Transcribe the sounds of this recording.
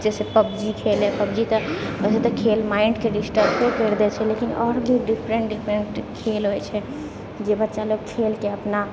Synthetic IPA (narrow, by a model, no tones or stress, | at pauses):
d͡ʒɛsepəbd͡ʒikʰelɛpəbd͡ʒit̪əəset̪əkʰelmaɪɳɖkeɖisʈəɾpekəɾd̪ɛt͡ʃʰɛlekinɔɾbʱiɖipʰɾəɳʈɖipʰɾəɳʈkʰelɦojt͡ʃʰɛ | d͡ʒebətːʃaloɡ̚kʰelkeəpna